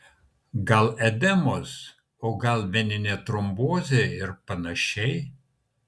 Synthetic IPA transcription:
ɡɐlˠɛd̪ʲɛmos | oːɡɐlˠʋʲɛnʲɪnʲeːt̪ɾɔmboːzʲeːɪɾpɐnɐʃʲɛɪ

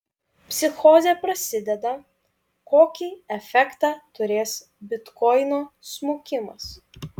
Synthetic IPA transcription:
pʲsʲɪxɔzʲepɾɐsʲɪd̪ʲɛd̪ɐ | koːkʲiːɛfʲɛkt̪ɑːt̪ʊɾʲeːs | bʲɪt̪kɔɪnoːsmuːkʲɪmɐs

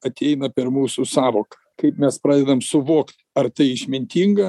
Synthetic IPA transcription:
ɐt̪ʲɛɪnɐpʲɛrmuːsʊsɑːʋoːkɐkɐɪpmʲɛspɾɑːd̪ʲɛd̪ɐmsʊʋuːkt̪ | ɐrt̪ɐɪɪʃʲmʲɪnʲt̪ʲiːŋɡɐ

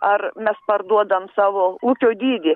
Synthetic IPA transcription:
ɐrmʲɛspɐrd̪uɔd̪ɐmsɑːʋoːuːkʲoːd̪ʲiːd̪ʲɪ

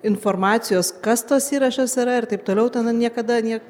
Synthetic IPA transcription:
ɪnfoːɾmɑːt̪sʲɪjoːskɐst̪oːsiːɾɐʃʲoːsɪɾɐɪɾt̪ɐɪp̚t̪oːlʲɛʊt̪ʲɛnɐnʲiɛkɐd̪ɐnʲiɛk

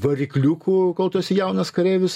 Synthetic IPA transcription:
ʋɐɾʲɪklʲuːkuːkɐʊt̪oɔsʲɪjæʊnɐskɐɾʲeːʋʲʊs

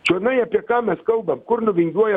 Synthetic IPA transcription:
t͡ʃonajapʲekamɛskawbɐmkʊɾnʊbiŋɡʲiwaj

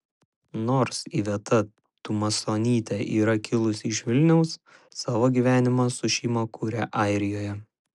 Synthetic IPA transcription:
noːɾsiːʋʲiɛt̪ɐ | t̪ʊmɐsoːnʲiːt̪ʲɛʔiːɾɐkʲɪlˠʊsʲɪʃʋʲɪlʲnʲɛʊsː | ɑːʋoːɡʲiːʋʲæːnʲɪmɑːsʊʃʲiːmɐkuːɾʲæʔɑˑɪɾʲɪjoːjɛ

